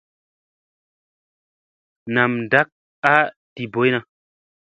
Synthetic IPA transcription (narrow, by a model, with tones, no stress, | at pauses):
na˨mn˨da˦k̚ | a˦ | ti˨bo˨˦jna˧˦